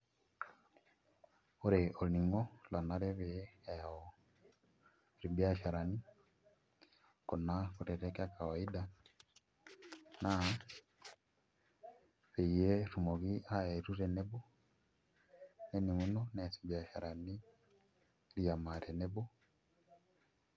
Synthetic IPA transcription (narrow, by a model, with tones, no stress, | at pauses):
o˦ɾeʔo˨ni˨ŋɔ˦la˨na˦ɾe˦βeːɔ | ɾi˨bja˦ʃa˨ɾa˨ni˦ | ko˨na˦koɾe˨ɾeka˦ka˨wa˨i˦da˦ | na˦ | βe˨je˦ɾu˨mo˨ɣi˦ʔa˦e˨ɾu˦ɾe˨ne˦bo˦ | ne˦ni˨mu˦no˦ne˨sibja˨ʃa˨ɾa˨ni˦ | ɾja˨ma˨ɾe˨ne˦bo˦